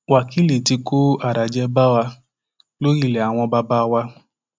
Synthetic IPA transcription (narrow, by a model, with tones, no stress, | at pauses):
wa˨ki˨˦le˨ti˧ko˦a˦˨ɾa˨d͡ʒɛ˦ba˦wa˧ | lo˦ɾi˦˨lɛ˨a˨w̃ɔ̃˧ba˧ba˦˧wa˧